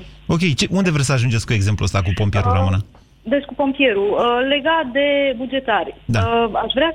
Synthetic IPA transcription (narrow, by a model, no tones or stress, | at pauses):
o̞kʲejt͡ʃeʔund̪e̞vɾesəaʒund͡ʒet̪sʲkue̞ɡze̞mpluəst̪akupo̞mpije̞ɾuɾa̰mɨna | d̪et͡ʃkupo̞mpije̞ɾuəle̞ɡat̪̚d̪e̞bud͡ʒe̞t̪arʲd̪aaʃvɾa